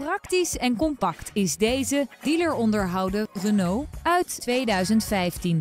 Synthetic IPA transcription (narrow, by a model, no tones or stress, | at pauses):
prɑktisɛnkɔmpɑktʰɪzdejzəd̥iləɹɔndəɹɦɑwdərənowœɥttʋejdœɥzəntfɛjftin